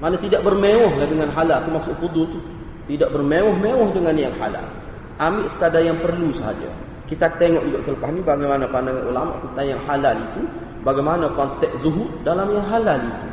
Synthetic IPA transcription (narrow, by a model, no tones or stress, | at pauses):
manat̪idaʔ̚bərmewɔɦlahdəŋanɦalalt̪umasʊʔfud̪ʊlt̪u | t̪idaʔ̚bərmewɔhmewɔhdəŋanjaŋha̰la̰l | ʔamɪʔsə̥kadajaŋpərlusəɦa̰d͡ʒa̰ | kit̪at̪eŋɔʔd͡ʒuɡaʔsələpasnibaɡajmanapandaŋanʔulama̰ʔt̪ənt̪ajjaŋɦalalit̪u | baɡajmanakɔnt̪ɛk̚zuɦʊʔdalamjaŋɦalalit̪u